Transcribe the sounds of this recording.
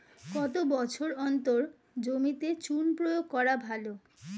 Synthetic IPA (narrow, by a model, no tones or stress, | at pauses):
kɔt̪obɔt͡ɕʰoɾɔnt̪oɾ | d͡ʑomit̪et͡ɕunpɾojoɡ̚kɔɾabʱalo